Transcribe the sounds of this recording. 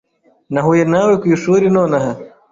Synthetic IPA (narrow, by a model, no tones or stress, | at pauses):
nɐɦujenaːwekujuʂuːɾinoːnɐɦɐ